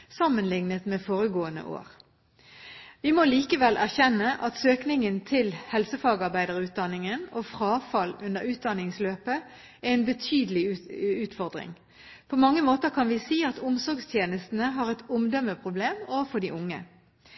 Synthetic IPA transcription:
sɑmːənlɪŋnət̪meːfoːʁəɡoːənə̰ʔo̰ːʁ | ʋɪmɔliːkəʋɛlʔæʁçɛnːəʔɑt̪søːknɪŋənt̪ʰɪlhɛlsəfɑːɡɑʁbæɪd̪əʁʉːt̪̚d̪ɑnɪŋənofʁɑːfɑlʉnəʁʉːt̪̚d̪ɑnɪŋsløːpə | æɛɪnbət̪ʰyːd̪əlɪʉːt̪fɔʁd̪ʁɪ̰ŋ | pʰɔmɑŋːəmoːt̪əʁkʰɑnʋɪsiːɑt̪ʊmsɔʁɡst̪ʰjeːnəst̪n̩əɦɑːʁɛt̪ʊmd̪œmːəpʰʁʊbleːmofɔɖ̪iːʔʊŋːə̰

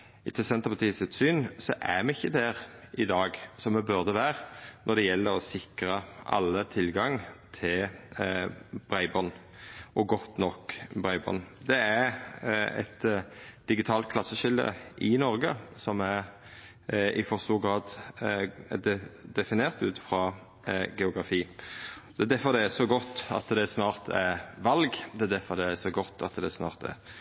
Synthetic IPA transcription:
ɪt̪ʰːəsɛnt̪əpʰɑt̪ʰiːsɪt̪syːnsɔʔæmɛɪçːəd̪æʁʔɪd̪ɑːɡsɔmːɛbʉʁd̪əʋæːʁnʔɔɾd̪ɛjɛlːəɾɔsɪkɾəʔɑ̰lːət̪ʰɪlɡɑŋt̪ʰɪl | b̥ɾæɪbɔn | ʔɔɡɔt̪nɔkːbɾæɪbɔ̰nd̪ɛæɾɛ̰t̪d̪̥ɪɡɪt̪ʰɑːlt̪̚kʰlɑsːəʃɪld̪ə̰ʔɪnɔʁɡəsɔmæɾ | ʔɪfɔʁst̪uːɡɾɑːd̪ | d̪ɛd̪ɛfɪneːʁt̪ʉːt̪fʁɑ | ɡɛʊɡʁɑfiːd̪ɛːd̪æfɔd̪ɛæsɔɡɔt̪ːɑ̰t̪d̪ɛsnɑːʁt̪ʰæʋɑlɡd̪ɛːd̪æfɔd̪ɛæsɔɡɔt̪ːɑ̰t̪d̪ɛsnɑ̰ːʁt̪ɛ̰ɾ

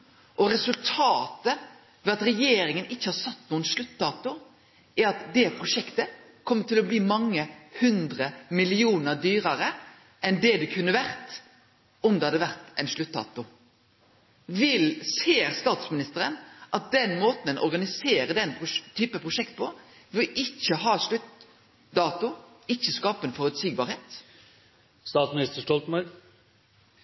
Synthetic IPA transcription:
ʔɔɾɛsʉlt̪ʰɑːt̪ə | ʋɛːɑt̪ɾɛjeːɾɪŋənɪçːəhɑɾsɑt̪ːnuːənʃlʉt̪ːɑːt̪ʊ | ʔæɾɑt̪d̪ɛpʰʁʊʂɛkt̪ə | kʰɔmːət̪ɪlɔbliːmɑŋːəhʉnd̪ɾəmɪlɪuːnəɾd̪yːɾɑɾə | ʔɛnd̪ɛd̪ɛkʰʉnːəʋæɾt̪ | ɔmd̪ɛhɑd̪əʋæɾt̪ɛɪnʂlʉt̪̚ːd̪ɑ̰ːt̪ʊ | ʋɪlseːɾst̪ɑːt̪smɪnɪst̪əɾənʔɑt̪̚d̪ɛnmoːt̪n̩ɛnʔɔ̰ɾɡɑnɪseːɾəd̪ɛnʊt̪ʰyːpəpʰʁʊʂɛkt̪̚pʰɔ | ʋɪlɪçːəɦɑːʂɭʉt̪ | d̪ɑːt̪ʊ | ɪçːəskɑːpənfɔɾʉt̪siːɡbɑːɾheːt̪ | st̪ɑːt̪smɪnɪst̪əʂʈɔlt̪mɑ

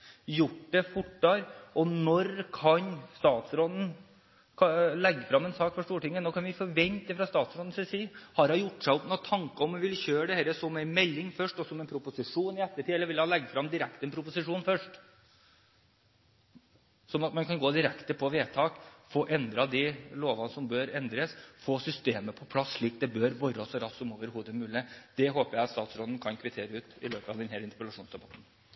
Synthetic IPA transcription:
jʊʈːd̪ɛfʊʈɖɑɾʔɔnɔɾkʰɑnst̪ɑːt̪sɾɔd̪ən̩ | kʰlɛɡːfɾɑmːɛnsɑːkfɔʂʈ̪uːʈɪŋːənoːkʰɑnʋɪfɔʋɛnt̪əfɾɑst̪ɑːt̪sɾɔːd̪nsɛsiːhɑɾhɑjʊʈːʂæɪɔpnɔt̪ʰːɑŋkɑɔmɛʋɪlçøːɖɛhæːɾəsɔmɛɪnmɛlːɪŋfœʂʈɔsɔmɛnpʰɾʊpʊsɪʂuːnɪɛt̪ːəʈʰiːɛlːəɾʋɪlhɑnlɛɡːfɾɑmd̪ɪɾɛkt̪ɛnpʰɾʊpʊsɪʂuːnfœʂʈ | sɔmɑt̪mɑnkʰɑnɡoːd̪ɪɾɛkt̪əpʰɔʋeːt̪ʰɑːkfoːʔɛnd̪ɾɑd̪iɪloːʋɑnsɔmbøːɾɛnd̪ɾəsfoːsʏst̪eːməpʰɔpʰlɑsʂɭiːk̚d̪ɛbøːɾʋɔɾɔsɔɾɑssɔmoːʋəɾɦuːd̪əmʉːlɪəd̪̥ɛɦoːpəɾjæɪɑt̪st̪ɑːt̪sɾɔːd̪ən̩kʰɑnkʰʋɪt̪ʰeːɾəʉːt̪ɪ̰løːpəɑ̰ʋd̪ɛnɦæːɾɪnt̪əpəlɑʂuːnsd̪ɛbɑt̪n̩

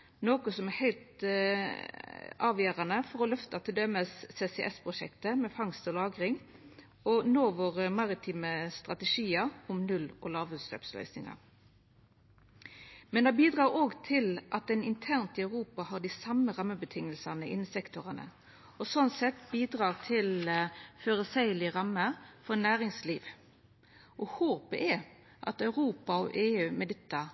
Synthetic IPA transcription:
noːkʊsɔmɛhɛɪlt̪ | ɑːʋjæːɾɑnəfɔɾɔlœft̪ɑt̪ʰɪld̪œməsːeːsɛʔɛspʰʁʊʂɛ̰kt̪əmɛfɑŋst̪ɔlɑːɡʁɪŋ | ɔnoːʋoʁəmɑʁɪt̪ʰiːməst̪ʁɑt̪əʂiːɑɔmnʉlɔ̰lɑːʋʉːslø̰ːpslœ̰ʏsnɪ̰ŋɑ̰ | mɛnd̪ɑbiːd̪ʁɑːɾoːɡt̪ʰɪlʔɑt̪ɛɪnɪnt̪ʰæʁnt̪ɪɑʉʁuːpɑhɑːɖ̪ɪsɑməʁɑmːəbət̪ʰɪŋːəlsɑnəʔɪnːsɛkt̪ʊʁənə̰ | ɔsɔnt̪sɛt̪biːd̪ʁɑːʁt̪ʰɪlføːʁəsæɪəlɪʁɑmːəfɔnæːʁɪŋsliːʋ | ʔɔhoːpə̰ʔɛ | ʔɑ̰t̪œʉʁuːpɑɔ̰ʔeːʉːmɛd̪ɪt̪ːɑ

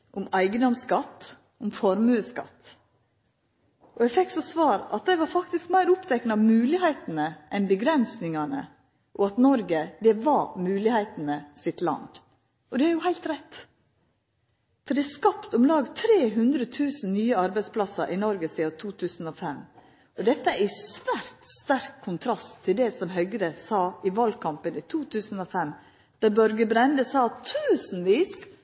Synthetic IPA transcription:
ʔʊmæɪɡəd̪ɔmskɑt̪ː | ʊmfɔɾmʉːəskɑ̰t̪ː | ʔɔæɡfɛkːsɔsʋɑːɾɑ̰t̪̚d̪æɪʋɑɾfɑkt̪ɪskmæɪɾʊpt̪ʰɛknɑmʉːlɪhæɪt̪n̩əʔɛnbəɡɾɛnsnɪŋɑnə̰ | ʔɔɑt̪nɔɾɡəd̪ɛʋɑmʉːlɪhæɪt̪n̩əsɪt̪lɑ̰nd̪ | ʔɔd̪ɛɑɾjʊhæɪlt̪ɾɛt̪ː | fɔɾd̪ɛæskɑpt̪ʊmlɑːɡt̪ʰɾeːɦʉnd̪ɾət̪ʰʉːsn̩nyːəɑɾbæɪspʰlɑsəɾʔɪnɔɾɡəsiːɑt̪ʰuːt̪ʰʉːsn̩ɔfɛm | ʔɔd̪ɛt̪ːəæɾɪsʋæɾt̪st̪æɾkʰːʊnt̪ʰɾɑst̪ʰːɪld̪ɛsɔmɦœʏɡəɾəsɑːɪʋɑlkʰɑmpənit̪ʰuːt̪ʰʉːsn̩ɔfɛm | d̪̥ɑbœɾɡəbɾɛnd̪əsɑːt̪ʰʉːsn̩ʋiːs

